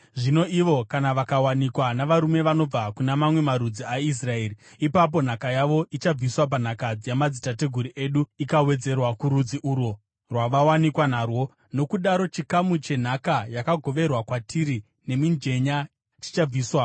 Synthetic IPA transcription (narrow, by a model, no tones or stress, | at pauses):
ʐino̞iʋo̞kanaʋakawanikwanaʋaɾume̞ʋano̞b͡vakunamamwe̞maɾud͡ziais̬rae̞ːri | ipap̬o̞n̤akajaʋo̞ʔit͡ʃab͡viswap̬an̤akad͡zijamad͡zitate̞ɡʱuɾiʔe̞ɗuikawe̞d͡ze̞rwakuɾud͡ziʔuːɾo | rwaʋawanikwanarwo̞ | no̞kuɗaɾo̞t͡ʃikamut͡ʃe̞n̤akajakaɡʱo̞ʋe̞rwakwatʰiɾi | ne̞mind͡ʒe̞ɲa | t͡ʃi̥t͡ʃab͡viːswa